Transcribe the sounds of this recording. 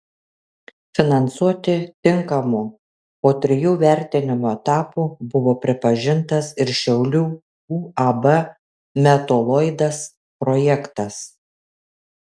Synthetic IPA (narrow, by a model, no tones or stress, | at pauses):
fʲɪnɐnsuɔt̪ʲɪt̪ʲɪŋkɐmu | poːt̪ʲɾʲɪjuːʋʲæˑɾʲt̪ʲɪnʲɪmoːɛt̪ɑːpuːbʊʋoːpʲɾʲɪpɐʒʲɪnt̪ɐsɪɾʃʲɛʊlʲuː | uːɐbɐ | mʲɛt̪oːlˠɔɪd̪ɐs | pɾɔjɛkt̪ɐs